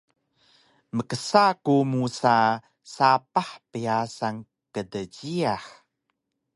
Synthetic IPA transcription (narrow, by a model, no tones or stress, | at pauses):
məkəsakumusa | sapaħpiasaŋ | kədəɟiaħ